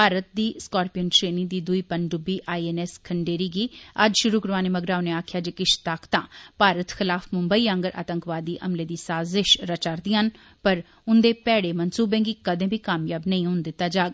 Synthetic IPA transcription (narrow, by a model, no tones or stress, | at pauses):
paːɾət̪̚d̪iːskaːɾpijənʈɾeːniːd̪iːd̪ʊiːpəɳɖʊbiːʔaːiːeːnɛːskʰəɳɖeːɾiːɡiːəd͡ʒʃʊɾuːkəɾʋaːneːməɡɾaːoneːaːkʰɪjaːd͡ʒeːkɪt͡ʃt̪akʰt̪ãːpaːɾət̪xɪlaːfʰmʊmbəiːə̃ŋɡəɾʔa̰ːt̪əŋkʋaːd̪iːʔəmleːd̪iːsaːzɪʃɾət͡ʃaɾd̪iːɦən | pəɾ | ʊnd̪eːpɛːɽeːmənsuːbẽːɡiːkəd̪ẽːbʱiːkaːmjaːbnəĩːɦʊ̃nd̪ɪt̪ːaːd͡ʒaːɡ